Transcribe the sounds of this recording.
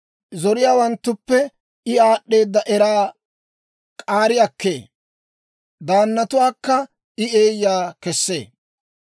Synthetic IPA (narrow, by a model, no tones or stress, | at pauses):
zɔɾɪjaːwɐnt̪ːʊpːɛ | ɪaːɗːe̞ːd̪ːɐʔɛɾaː | kʼaːɾɪɐkːḛː | d̪aːnːɐt̪ʊwaːkːɐ | ɪe̞ːjːaːkɛsːe̞̰ː